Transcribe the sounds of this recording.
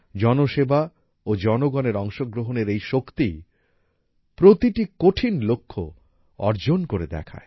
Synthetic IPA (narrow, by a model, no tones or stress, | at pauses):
d͡ʑɔnoʃeba | od͡ʑɔnoɡɔneɾɔŋʃoɡɾoɦoneɾejʃokt̪i | pɾot̪iʈikoʈʰinlokʰːo̰ | ɔ̰ɾd͡ʑonkoɾed̪ɛ̰kʰa̰e